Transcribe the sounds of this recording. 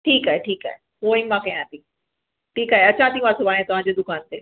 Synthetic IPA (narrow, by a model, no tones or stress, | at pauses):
ʈʰiːkaːɦeʈʰiːka̰ːɦe | ɦoĩmãkɐ̃j̃ãt̪ĩ | ʈʰiːkaːɦeɐt͡ɕãːt̪imãːsobaːɽ̃ẽt̪ɐʋ̤ãɲd͡ʑed̪ʊkaːnt̪eː